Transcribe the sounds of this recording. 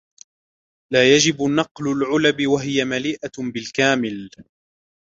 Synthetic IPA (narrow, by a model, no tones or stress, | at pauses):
laːjad͡ʒɪbnɑqlʊlʕʊlabɪwaɦɪjamaliːʔabɪlkaːmɪl